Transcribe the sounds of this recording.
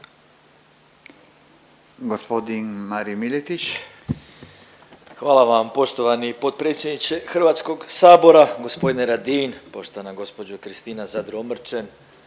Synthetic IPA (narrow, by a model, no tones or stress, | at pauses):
ɡospod̪inmaɾimilet̪it͡ʃ | xʋaːlˠaʋampo̞ʃt̪o̞ʋanipo̞t̪̚pɾet̪sʲje̞d̪nit͡ʃe̞xr̩ʋat̪sko̞ɡsaːbo̞ɾaɡo̞spo̞d̪ineɾad̪inpo̞ʃt̪o̞anaɡo̞spo̞d͡ʒukɾist̪iːnazad̪ɾomr̩t͡ʃen